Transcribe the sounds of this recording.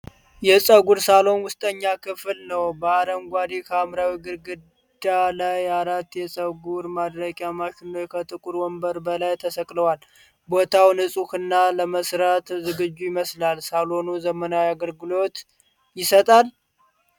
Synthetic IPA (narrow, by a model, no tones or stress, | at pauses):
jɛsʼəɡuɾsalo̞nwʊst̪ʼəɲːakʰɨflnəwbəaɾəmɡʷad̪ikʰəmɾawiɡɨɾɡɨd | d̪alajaɾat̪ːjɛsʼəɡuɾmad̪ɾəkʼjamaʃɪnːowkʰət̪ʼɨkʼuɾwɔmbəɾbəlajt̪ʰəsəkʼləwal | bo̞t̪ʰawnɨsʼuhɨnːaləməsɾat̪zɨɡɨd͡ʒːujɪməslalsalo̞nuzəmənawaɡəlɡɨlo̞t̪ | jɪsət̪ʼal